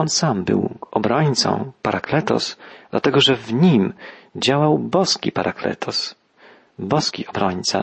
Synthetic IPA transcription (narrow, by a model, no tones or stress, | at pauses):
ɔnsambɘ̰wɔbɾɔɲt̪sɔ̰̃w̃paɾaklɛt̪ɔ̰sd̪̥lʔa̰t̪ɛɡɔʐɛvɲimd͡ʑawawbɔskʲḭpaɾaklɛ̰t̪ɔs | bɔskʲḭʔɔbɾɔɲt̪sa̰